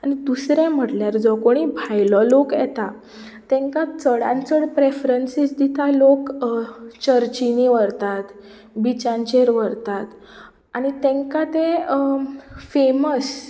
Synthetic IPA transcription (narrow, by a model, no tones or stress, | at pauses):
añid̪usɾẽm̤əʈljaɾd͡zɔkoɽ̃ibʱajlɔlokjɛ̰t̪a | t̪ɛ̃ŋkat͡səɽã̰nt͡səɽpɾefɾənsisd̪it̪alok | t͡ɕəɾt͡ɕiniʋəɾt̪at̪ | bit͡ɕãɲt͡ɕeɾʋəɾt̪at̪ | aɽ̃it̪ẽŋkat̪ẽ | feməs